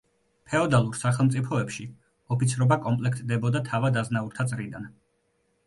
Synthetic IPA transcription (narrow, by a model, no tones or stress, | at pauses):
pʰɛɔd̪alˠuɾsaχɛlˠmt̪sʼipʰɔɛpʃi | ɔpit̪sʰɾɔbakʼɔmpʼlɛkʰt̪̚ʰʼd̪ɛbɔd̪at̪ʰavad̪aznauɾt̪ʰat̪sʼɾid̪an